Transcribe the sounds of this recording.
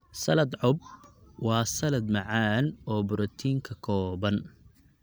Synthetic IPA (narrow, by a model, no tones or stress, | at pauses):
sɐlɐd̪ʕɔb̚wɑːsɐlɐd̪mɑʕaːnɔːbʊɾɔt̪ʰiːŋkʰɐkʰɔːbɐn